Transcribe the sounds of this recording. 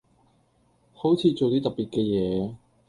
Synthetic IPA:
ho˨˥wt͡sʰiː˧t͡so˨wt̪iː˥t̪ɐ˨piː˨t̚kɛː˧jɛː˨˧

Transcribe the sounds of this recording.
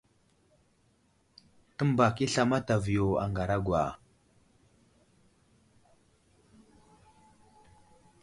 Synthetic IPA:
tə˦mba˨ki˦ɬa˨ma˦ta˨vi˨jo˨a̰˨ŋɡa˨ɾa˦ɡwa˨

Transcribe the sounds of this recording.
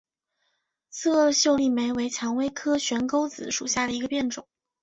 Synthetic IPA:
t͡sʰɤ˥˧˥ɕjo˥˧ʊli˥˩me˧˥ɪwe˧˥ɪt͡ɕʰjɑ˧˥ŋwe˥ɪkʰɤ˥ɕɥɛ˧˥nko˥ʊt͡sɹ̩˨˧˥ʂu˨˩ɕja˥˩d̪ə˩i˧˥ɡə˧pjɛ˥˩nʈ͡ʂʊ˨˩˦ŋ

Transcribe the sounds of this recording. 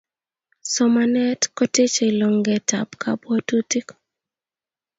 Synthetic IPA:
sɔ˨ma˨nɛ˦tkɔ˦te˦t͡ʃe˨i˨lɔ˨ŋɡɛ˨ta̰˨pka˦bwɔ˦tu˦ti˦k

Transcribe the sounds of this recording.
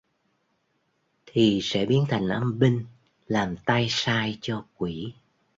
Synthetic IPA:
t̪ʰi˨˩sɛ̰˧˥ɓi˨˦ənt̪ʰa˨˩jŋ̟ʔaː˧mɓï˧ŋ̟ | laː˨˩mt̪aː˧jsaː˧jt͡ɕɔ˧kwi˧˩˨

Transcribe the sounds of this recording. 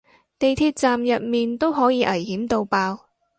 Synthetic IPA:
t̪e˨jt̪ʰiː˧t̚t͡saː˨mjɐ˨t̚miː˨nt̪o˥wɦɔː˨˥jiː˨˧ʔɐ˨˩jhiː˨˥mt̪o˧wpaː˧w

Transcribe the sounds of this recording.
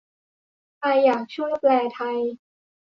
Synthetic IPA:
ʔaː˧jːaː˨˩k̚t͡ɕʰu˥˩əjplɛː˧t̪ʰa˧j

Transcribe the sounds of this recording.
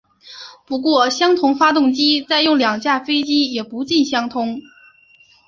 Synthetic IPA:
pu˧˥kwɔ˥˩ɕjɑ˥ŋt̪ʰʊ˧˥ŋfa˥t̪ʊ˥˩ŋt͡ɕi˥t͡sa˥˧ɪjʊ˥˩ŋljɑ˨˩ŋt͡ɕja˥˩fe˥ɪt͡ɕi˥jɛ˨˩pu˧˥t͡ɕi˥˩nɕjɑ˥ŋt̪ʰʊ˥ŋ

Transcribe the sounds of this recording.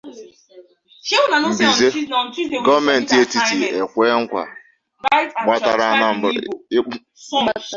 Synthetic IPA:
ʃe˦na˨˦bi˨ze˦˨˦ɡɔ˦vme˨n̩˨ti˨e˦ti˨ti˨e˨kʷeː˦ŋ̩˦kʷa̰˨ | ɡ͡ba˦ta˨ɾa˦na˦m̩̰˦˨˦

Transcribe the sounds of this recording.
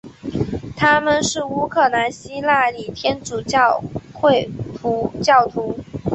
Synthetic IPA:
t̪ʰa˥mə˨nʂɻ̩˥˩u˥kʰɤ˥˩na˧˥nɕi˥la˥˩li˨˩t̪ʰjɛ˥nt͡su˨˩˥xwe˥˩ɪu˧˥t͡ɕjɑ˥˩ʊt̪ʰu˧˥

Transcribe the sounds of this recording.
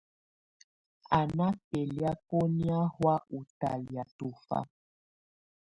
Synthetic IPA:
a˨na˦pe˨lja˦ko˦ni˦a˦hwa˦ʔu˨ta˨lja˨tu˨fa̰˦

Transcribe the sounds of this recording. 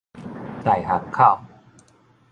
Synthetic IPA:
t̪a˨˩jɦa˨˩kkʰːa˥˨w

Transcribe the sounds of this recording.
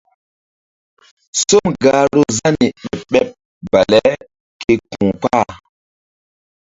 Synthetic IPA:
so˦mɡa˨˦ɾo˦za˦ni˨ɓɛ˦pɓɛ˦p̚ | b̥a˨lɛ˦ | kʰe˨kũ˨k͡pa˦˨

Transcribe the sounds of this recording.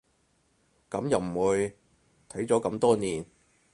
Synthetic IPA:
kɐ˨˥mjɐ˨wm̩˨˩wuː˨˧j | t̪ʰɐ˨˥jt͡sɔː˨˥kɐ˧mt̪ɔː˥niː˨n

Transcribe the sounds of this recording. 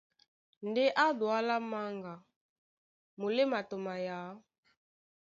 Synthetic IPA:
ndɛ˦ʔa˦dwa˦la˦ma˦ŋɡa˨ | mu˨le˦ma˨to˨ma˨ja˨˦

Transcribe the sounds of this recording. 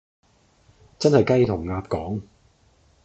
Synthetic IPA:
t͡sɐ˥nhɐ˨jkɐ˥jt̪ʰʊ˨˩ŋːaː˧p̚kɔː˨˥ŋ

